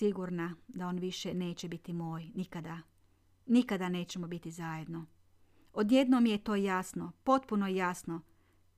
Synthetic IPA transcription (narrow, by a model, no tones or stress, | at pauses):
iɡuɾnad̪ao̞ːnʋiʃene̞ːt͡ɕe̞bit̪imoːjnikad̪a | nikad̪ane̞ːt͡ɕe̞mobit̪izaːje̞d̪no̞ | od̪je̞d̪nomjet̪o̞ːjasnopo̞t̪punojjasno